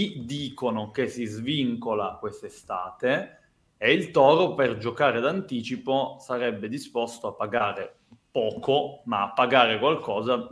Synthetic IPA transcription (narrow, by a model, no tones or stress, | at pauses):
kid̪iːkonokesːizviŋkolakwest̪est̪aːt̪eː | ilt̪ɔːɾoperd͡ʒokaːɾed̪ant̪iːt͡ʃiposaɾɛbːed̪ispɔst̪oapːaɡaːɾe | pɔːkomaːpːaɡaːɾekwalkʰɔːza